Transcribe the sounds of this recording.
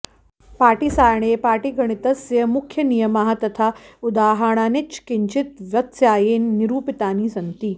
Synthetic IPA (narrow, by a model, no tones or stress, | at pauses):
paːʈisaːjɳ̃eːpaːʈiɡʱɐɽ̃it̪ɐsjɐmukʰjɐnijɐmaɦat̪ɐt̪ʰaud̪aːɦaɾɳ̃aːnit͡ʃkiɲt͡ʃit̪ʋjɐt̪sjaːjeːnːiɾuːpit̪aːniːsɐnt̪iː